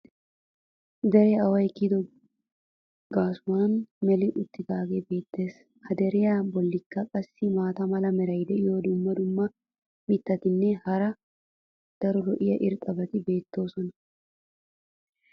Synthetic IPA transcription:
d̪ɛɾɪjɐɐwɐjkːid̪ɔ | ɡaːsʊwanmɛlɪʔʊt̪ːɪɡaːɡebe̞ːt̪ːe̞ːs | hɐd̪ɛɾɪjabɔlːɪkːɐkʼɐsːɪmaːt̪ɐmɐlɐmɛɾɐjd̪ɛɪjoːd̪ʊmːɐd̪ʊmːɐ | mɪt̪ːɐt̪ɪnːɛhɐɾɐ | d̪̥ɐɾɔlɔʔɪjɐʔɪɾt̪ʼɐbɐt̪ɪbe̞ːt̪ːo̞ːsɔnɐ

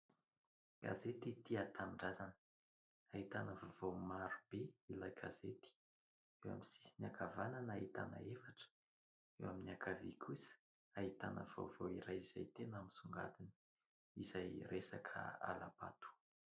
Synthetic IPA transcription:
ɡ̥a̰zet̪it̪iat̪ʰanɖ͡ʐazanə̥ | aɦit̪anəvovomaɾub̥eilaɡazet̪i̥ | ewa̰misisinakavananait̪a̰na̰efaʈ͡ʂə̥ | ewaminakavikʰusə̥ | ait̪anə̰vo̰voiɾajiza̰jt̪enaminsuŋɡa̰d̪ini̥ | izajresakʰə̰a̰la̰pa̰t̪u̥

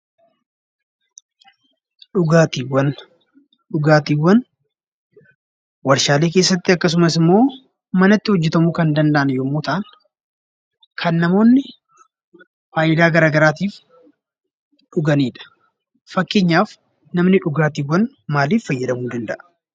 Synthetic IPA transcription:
ᶑʊɡaːt̪iːwɐn | ɗʊɡaːt̪iːwːɐn | wɐɾʃaːleːke̞ːsːɐt̪ːɪɐkːɐs̬ʊmɐsɪmːo̞ː | mɐnɐt̪ːɪhɔd͡ʒːɛt̪ɐmuːkɐnd̪ɐnd̪ɐʔɐnjoːmːoːt̪ɐʔɐn | kʰɐnːɐmo̞ːnːɪ | faːjʔɪd̪aːɡɐɾaːɡɐɾaːt̪iːf | ᶑʊɡɐniːᶑɐ̥ | fɐkːɪɲːaːf | nɐmnɪᶑʊɡaːt̪iːwːɐn | maːliːfːɐjːɐd̪ɐmuːd̪ɐnd̪ɐʔɐ̥

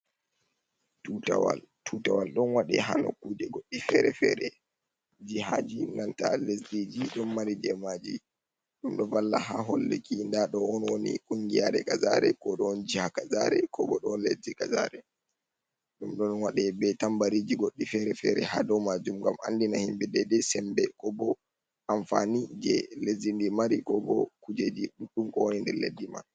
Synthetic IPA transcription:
tutawa̰ltʰutawalɗɔnwaɗɛɦa̰no̰kːuːd͡ʒɛɡoɗːifɛɾɛfɛ̰ɾɛ | d͡ʒiɦad͡ʒinantalesdid͡ʒiɗɔnmaɾid͡ʒɛmad͡ʒi | ɗumɗɔvalːaɦaɦɔlːḛkindaɗɔwɔnwonḭkʼuŋɡijaɗɛkazaɾɛkɔɗɔnd͡ʒihakazaɾɛkʰɔbɔɗɔnlezikaza̰ɾɛ | ɗumɗɔnwaɗɛbɛtambaɾid͡ʒiɡoɗːifɛɾɛfɛ̰ɾɛ̰hadɔmad͡ʒumɡama̰ndinahimbɛdɛdɛsɛmbɛkɔbɔ | ʔaɱfa̰nid͡ʒɛlezindimaɾikɔbɔkud͡ʒed͡ʒiɗuɗːumkɔwonindɛ̰ɾlḛdːima̰

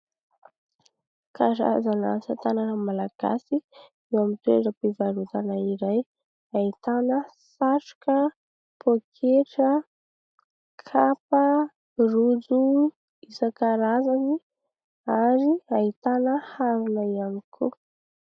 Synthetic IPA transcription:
kʰaɾa̰zana̰sat̪ananamalaɡ̥a̰si | ewamit̪uḛʈ͡ʂəpivaɾut̪anaiɾaj | ait̪anəsaʈ͡ʂu̥kə | pokʰeʈ͡ʂə | kʰapə | rud͡zu | isakaɾazani | aɾiait̪anəhaɾunaianikʰu

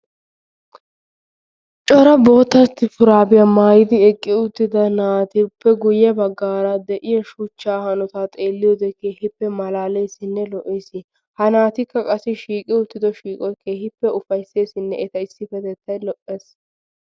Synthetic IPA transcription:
t͡ʃʼɔɾɐbo̞ːt̪ːɐt̪ːɪfʊɾaːbɪjamaːjɪd̪ɪɛkʼːɪʊt̪ːɪd̪ɐnaːt̪ɪpːɛɡʊjɛbɐɡːaːɾɐd̪ɛʔɪjɐʃʊt͡ʃːaːhɐnɔt̪aːt̪ʼe̞ːlːɪjɔd̪ɛkeːhɪpːɛmɐlaːlejsɪnːɛlɔʔesɪ | hɐnaːt̪ɪkːɐkʼɐsɪʃiːkʼɪʊt̪ːɪd̪ɔʃiːkʼɔkʰeːhɪpːɛʔʊfɐjse̞ːsɪnːɛʔɛt̪ɐɪsːɪfɛt̪ɛt̪ʰːɐjlɔʔeːs

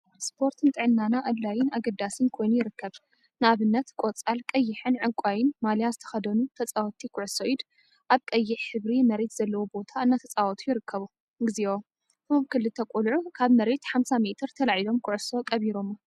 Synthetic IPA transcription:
spʰo̞ɾt̪ʰɨnt̪ʼɨʕɨnːanaʔɐd̪lajɪnaɡɐd̪asɨnkʰo̞jnujɪɾɨkʰːɐβ | nɨaβɨnːɐt̪kʷʼot͡sʼalkʼɐjːɪħɨnʕɨkʼajɪnmalijazɨt̪ʰɐ̥xɐd̪ɐnut̪ʰɐt͡sʼawɔt̪ʰikʰʊʕso̞ʔid̪ | ʔaβkʼɐjːɪħħɨβɾimɐɾe̞t̪z̥ɐlːɐwobo̞t̪ʰaɨnːat̪ʰɐt͡sʼawɔt̪ʰujɪɾɨkʰːɐβu | ɡɨzio | tomkʰɨlːɨt̪ʰɐkʼulʕukʰaβmɐɾe̞t̪ħamsamet̪ʰɨɾt̪ʰɐlaʕilo̞mkʰʊʕso̞kʼɐβiɾo̞m

